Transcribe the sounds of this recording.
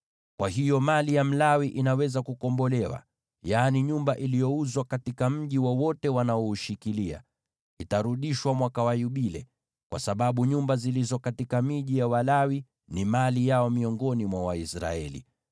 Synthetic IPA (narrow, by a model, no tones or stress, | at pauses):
kwʔaɦijɔmalijam̩lawiʔinawɛzakukɔmbɔlɛwa̰ | jaːniɲumbaʔilijɔuzwakatikam̩ʄiwɔwɔtɛwanaɔuʃikilia̰ | itaɾuɗiʃwamwakawajuɓilɛ | kwa̰saɓaɓuɲumbazilizɔkatikamiʄijawalawi | nimalijaɔmiɔŋɡɔnimwawaisɾa̰ɛ̰lḭ